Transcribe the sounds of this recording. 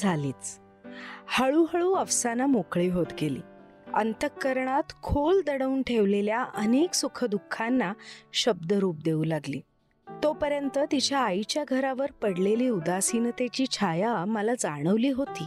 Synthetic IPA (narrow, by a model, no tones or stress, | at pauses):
d͡zʱaliːt͡s | həɭuːɦəɭuːəʋsanamokɭiːɦot̪ɡelḭː | ənt̪əkːəɾɳat̪kʰold̪əɽəuːnʈʰeʋleljaʔəneksukʰəd̪ukʰːanːaɕəb̚d̪əɾuːp̚d̪eulaɡliː | t̪opəɾjənt̪ət̪it͡ɕjaːit͡ɕjaɡʱəɾaʋəɾpəɽleliːud̪asinət̪et͡ɕiːt͡ɕʰajaməlad͡zaɽ̃əʋliːɦot̪iː